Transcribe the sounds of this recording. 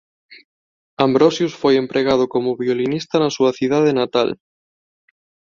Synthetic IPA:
ambɾosjusfojempɾʔeɣað̞ʊkomʊβiolinist̪anasuaθið̞að̞enat̪a̰l

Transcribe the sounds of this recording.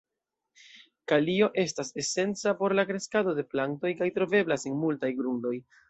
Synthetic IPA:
kalio̞ʔe̞s̬tase̞se̞nt͡sapo̞ɾlakɾe̞skado̞de̞planto̞jkajtɾo̞ve̞blasenmultajɡɾundo̞j

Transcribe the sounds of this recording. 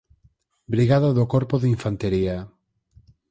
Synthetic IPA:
bɾiɣaðaðʊkɔɾpoðiɱfant̪eɾia

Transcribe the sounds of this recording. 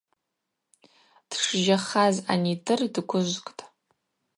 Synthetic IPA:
d̥ʂʒaχaza̰nidʰɨrdkʷʰʊʒʷkʼtʼ

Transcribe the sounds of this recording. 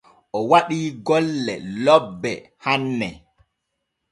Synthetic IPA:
ʔɔwaɗiːɡɔlːɛ̰lɔbːɛhanːɛ

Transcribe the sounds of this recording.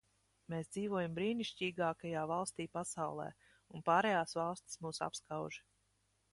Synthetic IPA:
meːsd̪z̥iːvuɔjambɾiːniʃciːɡaːkajaːvalˠst̪ʲiːpasawlˠɛ̰ː | unpaːɾɛjaːsvalˠst̪ʲi̥smuːsa̰pskawʒ

